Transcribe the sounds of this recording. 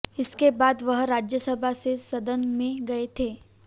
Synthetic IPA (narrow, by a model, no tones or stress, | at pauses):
ɪskebaːd̪ʋəɦɾad͡ʒjəsəbʱasesəd̪ənmẽɡəet̪ʰe